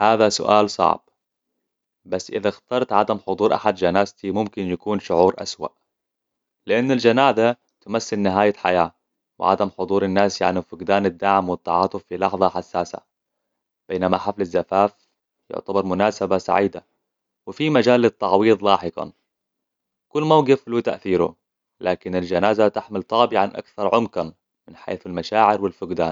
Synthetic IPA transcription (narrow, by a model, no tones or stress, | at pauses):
haːðasʊ̰ʔa̰ːlsˤɑ̰ʕb̥̚ | basːʔɪðaxt̪ɑːɾˤt̪ʕad̪amħʊd̪ˤuːɾʔa̰ħad̪d͡ʒanaːzt̪imʊmkɪnjakuːnʃʊʕuːɾʔa̰swa̰ʔ | lɪʔanːald͡ʒanaːza | t̪ʊmasːɪlnɪɦaːjaħa̰jaː | wɪ̰ʕa̰d̪amħʊd̪ˤuːɾanːaːsja̰ʕnifʊɡd̪aːnad̪ːaʕmwɪt̪ːɑʕɑːt̪ˤːʊfːilɑħðˤɑħasːaːsa̰ | b̥eːnamaħaflazːafaːf | jʊ̰ʕt̪abɑɾˤmʊnaːsabasa̰ʕiːd̪a̰ | wɪfimad͡ʒaːlːɪt̪ˤːɑʕwiːðˤlɑːħɪqɑ̰ | kʊlːmawɡɪfluːt̪aʔθiːɾṵ | laːkɪnald͡ʒanaːzat̪aħmɪlt̪ˤɑːbɪʕanʔa̰kθɑɾˤʕʊmkan | mɪnħḛːθalmaʃaːʕɪɾwɪlfʊɡd̪a̰ːn